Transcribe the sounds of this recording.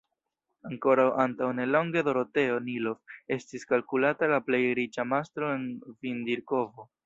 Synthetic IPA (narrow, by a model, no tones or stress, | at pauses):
aŋko̞ɾawantawne̞lo̞ŋɡedo̞ɾote̞o̞nilo̞fe̞stiskalkulatalaple̞jɾit͡ʃamastɾo̞e̞nvindiɾko̞vo̞